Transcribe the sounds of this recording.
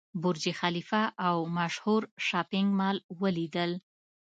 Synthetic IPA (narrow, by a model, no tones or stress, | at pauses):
bʊɾd͡ʒixalifaʔawmaʃhuɾʃɑpɪŋɡmɑlwəlid̪əl